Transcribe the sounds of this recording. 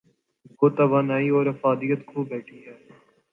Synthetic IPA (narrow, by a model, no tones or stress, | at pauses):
ɡoːt̪ɐʋaːnaːiɔːɾɐfaːd̪ɪjət̪kʰuːbɛːʈʰiːɦɛː